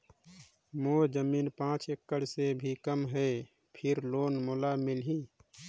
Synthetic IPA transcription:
moːd͡ʒəmiːnpãːt͡ʃekːəɽsebʱikəmɦɛ | pʰɪɾloːnmʊlamɪlɦĩː

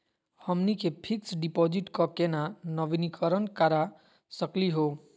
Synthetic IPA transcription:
həmnikepʰiksɖipod͡ʒiʈkɔkenanəʋinikəɾənkaɾa | səkliɦo

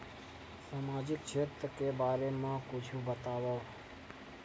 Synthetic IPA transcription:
samad͡ʒɪk̚t͡ʃʰet̪ɾəkebaːɾemãkut͡ʃʰũbət̪aʋa

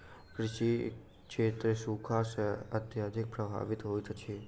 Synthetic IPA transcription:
kɾɪʃi | ʃʰet̪ɾesukʰasət̪jad̪ʱik̚pɾəbʱa̰ʋit̪ɦojt̪ʰət͡ʃʰe

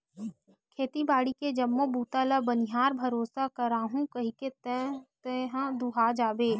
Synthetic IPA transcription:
kʰeːt̪ibaːɽiked͡ʒɐmːobuːt̪alabənɪɦaːɾbʱɐɾoːsakəɾaːɦũkɐɦiket̪t̪eɦd̪uɦaːd͡ʒaːbeː

